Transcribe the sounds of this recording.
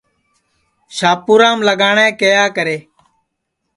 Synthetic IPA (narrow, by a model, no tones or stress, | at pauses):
ʃaːpuːɾãːmləɠaːɳɛ̃ːkeːjaːkəɾeː